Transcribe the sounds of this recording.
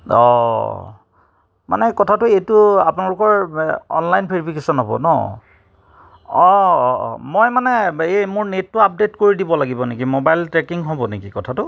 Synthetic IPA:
ɔ̰ | ma̰nɛkɔtʰatʊejtʊa̰pʊnalʊkɔɹɔ̰nlajnpʰeɹipʰikesɔnɦɔbɔ̰nɔ̰ | ɔ̰ | mojmanɛemʊɹnetːʊap̚detkoɹidibɔlaɡibɔnekimobajltɹekiŋɦobɔnekikɔtʰatʊ

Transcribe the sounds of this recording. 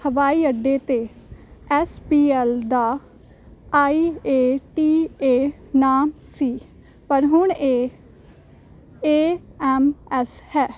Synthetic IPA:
həʋaːiːəɖːeːt̪eːɛːspiːɛːld̪aː | aːiːeːʈiːeː | naːm | siː | pəɾɦʊɳeː | eːɛːmɛːshɛː

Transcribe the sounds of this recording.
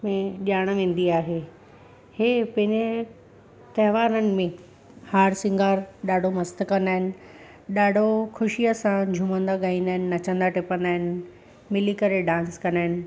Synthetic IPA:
mẽʄaːɽ̃ʋẽːnd̪iaːɦe | hepɐ̃ɦɪ̃ɲe | t̪ɐɦʋaːɾənɪ̆mẽ | haːɾsɪ̃ŋɡaːɾɗaːɖʱomɐst̪kɐ̃nd̪aːɦɪnɪ̆ | ɗaːɖʱokʰʊʃijəsãd͡ʑʱumə̃nd̪aɡaːĩnd̪aːɦɪnɪnɐt͡ɕə̃nd̪aʈɪpə̃nd̪aːɦɪnɪ | mɪlikɐɾeɖãːnskɐ̃nd̪aːɦɪnɪ̆

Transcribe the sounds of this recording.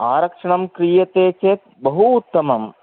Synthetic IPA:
aːɾɐkʂɐɳɐmkɾiːjɐt̪eːt͡ʃeːt̪̚bɐɦuːt̪ːɐmɐm

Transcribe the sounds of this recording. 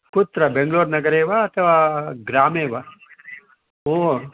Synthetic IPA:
pʊt̪ɾɐbeŋɡloːɾnɐɡɐɾeːʋaɐt̪ʰɐʋaːɡɾaːmeːʋa | oː

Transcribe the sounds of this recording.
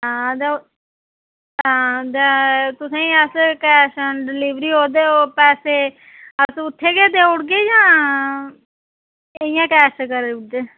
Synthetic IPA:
ɦãːd̪e | ɦãːd̪et̪ʊsãːĩːəskɛːʃəɖɪliːʋɾiːɦoːd̪eːoːpɛːseː | əsʊt̪ʰːeːɡeːd̪eːʊɽɡeːd͡ʒãː | ɪjãːkɛːʃkəɾeʊd̪eː

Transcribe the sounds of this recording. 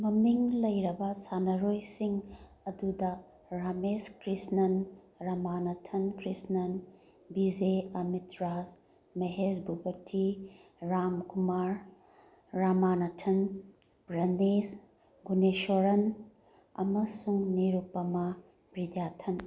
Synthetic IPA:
mɐmiŋlɐjɾɐbɐsanɐɾojsiŋ | ɐdudɐ | ɾameskɾisnɐn | ɾɐmanɐtʰɐnkɾisnɐn | bizeɐmitɾas | mɐɦesbʱubɐtʰi | ɾamkumaɾː | amanɐtʰɐn | bɾɐnes | ɡuneʃoɾɐn | ɐ̰mɐsuŋniɾupːɐmɐ | bɾidjatʰɐn

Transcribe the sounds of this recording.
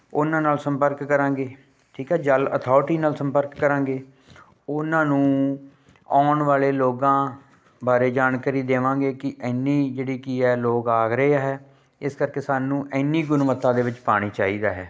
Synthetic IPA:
ʊnãːnaːlsəmpəɾkːəɾãːɡeː | ʈʰiːkɛːd͡ʒələ̰t̪ʰɔːʈiːnaːlsəmpəɾkːəɾãːŋɡeː | ʊnãːnũː | aːɳʋaːleːloːɡãː | baːɾeːd͡ʒaːnkaːɾiːd̪eːʋãːŋɡeːkɪʔɛɪnːiːd͡ʒeːɽiːkiɦɛːloːkaːɡɾəeːaːɦɛː | ɪskəɾkeːsaːnũːʔɛɪnːiːɡʊnʋət̪ːãːd̪eːʋɪt͡ʃpaːɽ̃iːt͡ʃaːiːd̪aːɦɛː

